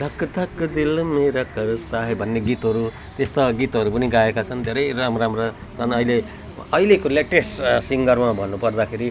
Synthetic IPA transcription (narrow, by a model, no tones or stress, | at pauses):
d̪ʱʌkːʌt̪akːd̪ilmeɾakʌɾʌt̪aɦebʱʌnːeɡit̪ɦʌɾu | t̪est̪aɡit̪ɦʌɾupʌniɡaekat͡sʰʌnd̪ʱeɾʌjɾamɾamɾa | t͡sʰʌnʌile | ʌilekoleʈessiŋɡʌrmabʱʌnːupʌrd̪akʰeɾi